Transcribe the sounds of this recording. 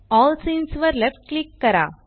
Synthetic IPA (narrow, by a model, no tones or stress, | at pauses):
ɔːlsĩnsʋəɾlɛfʈ̚klɪk̚ːɐɾa̰